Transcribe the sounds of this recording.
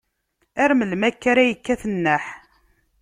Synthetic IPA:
æɾməlmækːæɾæjəkːæθənːəħ

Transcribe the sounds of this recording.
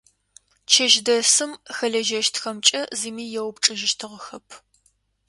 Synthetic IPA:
t͡ʃʰɐʒdɐsɨmxɐɮɐʒɐʃtxɐmt͡ʃʼɐziːmiːjɛwpʈ͡ʂʼɨʒɪʃtʰɨʁəxɐpʰ

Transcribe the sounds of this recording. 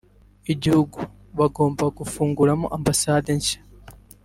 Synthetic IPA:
eɟihuɡu | βaɡo̞ːmbaɡufuːŋɡuɾamo̰ʔambasaːdeɲʃḁ

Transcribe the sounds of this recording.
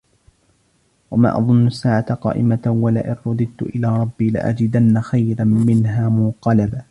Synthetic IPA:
wama̰ːʔɑ̰ðˤʊnːʊasːaːʕat̪aqɑ̰ːʔɪmawala̰ʔɪnɾʊd̪ˤɨd̪̚t̪ʊʔɪlaːɾˤɑbːiːlɪ̰ʔa̰d͡ʒɪd̪anːaxajɾamɪnɦaːmʊqɑlaba

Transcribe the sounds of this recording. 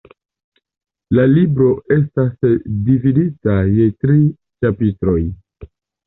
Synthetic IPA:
lalibɾo̞e̞stasdividitaje̞tɾi | t͡ʃapitɾo̞j

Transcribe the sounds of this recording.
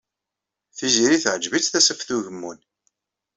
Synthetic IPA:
θizɾiθʕəd͡ʒvit͡sθæsəfθuʝəmːun

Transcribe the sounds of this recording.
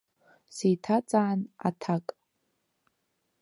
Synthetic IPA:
sijtʰat͡sʼaːna̰tʰakʼ

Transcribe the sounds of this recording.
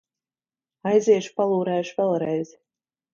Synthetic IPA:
ajzʲeːʃpɑlˠuːɾæːʃvʲɛlˠɾɛjz

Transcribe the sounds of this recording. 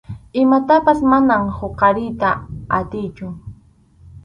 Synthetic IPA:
ɪmat̪apasmanamhoqɑɾɪjt̪aat̪ɪjt͡ʃʊ

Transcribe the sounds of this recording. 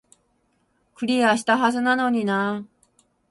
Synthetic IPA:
kɯɾiaɕi̥t̪aɦad͡ʑɯnanoɲina

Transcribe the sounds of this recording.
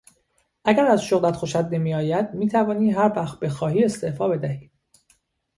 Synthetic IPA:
ʔæɡæɾæzʃoɣlæt̪xoʃæd̪ne̞miːjɒːjæd̪̥miːt̪ʰævɒːniːɦæɾvæxt̪̚be̞xɒːhiːe̞st̪e̞ʔfɒːbe̞d̪æhi̥ː

